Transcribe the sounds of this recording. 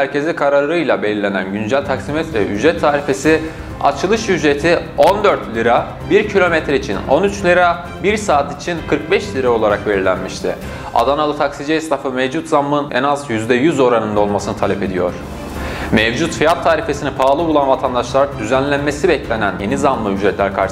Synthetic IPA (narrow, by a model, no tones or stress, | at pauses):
hæɾcʰe̞zʲɛkʰaɾaɾɯjlˠabe̞lʲilʲe̞næ̰nɟynd͡ʒælʲt̪ʰaksimɛt̪vɛʔyd͡ʒɾɛt̪ʰːaːɾife̞si | a̰t͡ʃʰɯlˠɯʃjyd͡ʒɾe̞t̪ʰio̞nd̪ø̞ɾt̪lʲiɾa | biɾcʰilʲo̞met̪ɾeit͡ʃʰino̞nyt͡ʃlʲiɾa | biɾsaːt̪it͡ʃʰinkʰɯɾk̚bɛʃlʲiɾao̞lˠaɾakve̞lɾilʲæ̰nmiʃt̪ʰɪ̰ | a̰d̪analˠɯt̪ʰaksid͡ʒɛist̪ʰafɯmɛvd͡ʒut̪zammɯnɛ̰nazjyzd̪ɛjyzo̞ɾanɯnd̪ao̞lˠmasɯnɯt̪ʰalʲɛpe̞d̪ijo̞̰ɾ̥ | mɛvd͡ʒut̪fijat̪ʰːaːɾife̞sinipʰaːlˠɯulˠanvat̪ʰand̪aʃlˠaɾd̪yzænlʲænme̞sibɛclʲe̞nænje̞nizamːɯyd͡ʒɾɛt̪lʲæɾkʰa̰ɾʃ